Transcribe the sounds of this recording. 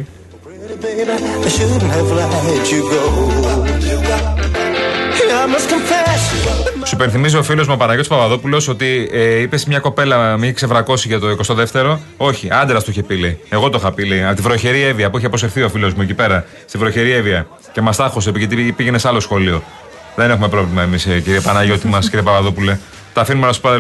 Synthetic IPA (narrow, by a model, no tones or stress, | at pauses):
naʃɨddn̩ɛvəlaet͡ʃɨɡo | aɪmʌskə̃ɱfɛssuipenθimizio̞filo̞zmuɐpɐnɐʝot̪spɐvɐðopulo̞oso̞t̪iipe̞smɲɐko̞pe̞lɐmiçekse̞vɾɐko̞siʝɐt̪o̞iko̞st̪oðe̞ft̪e̞ɾo̞o̞çiʔɐnd̪eɾɐst̪oiçepileeɣo̞t̪oxɐpileiɐt̪ivɾoçe̞ɾieviɐpuiçeposefθio̞filo̞zmuecipe̞ɾɐ | st̪ivɾoçe̞ɾieviɐ | ce̞mɐst̪ɐxo̞sepiʝet̪ipiʝenesɐlo̞sxo̞lio̞ | ðe̞ne̞xume̞pɾo̞vlimɐe̞misciɾiepɐnɐʝo̞t̪imɐsciɾiepɐvɐðopule̞ | t̪ɐfinumelɐspɐð